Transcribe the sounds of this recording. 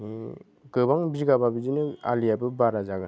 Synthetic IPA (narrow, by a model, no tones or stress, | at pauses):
ni | ɡɯbaŋbiɡababid͡ʒinɯa̰lijabɯbaɾazaɡɯ